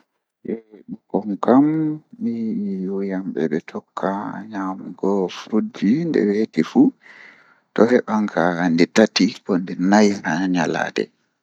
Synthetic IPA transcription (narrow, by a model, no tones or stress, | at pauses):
ʔɛɗukɔŋkamːijujamɓɛ̰ɓɛtʰɔkʰːaɲamɡɔfɾud͡ʒindɛ̰wetifu | tɔhɛɓaŋkʰandɛtatikɔndɛnajnaɲala̰dɛ̰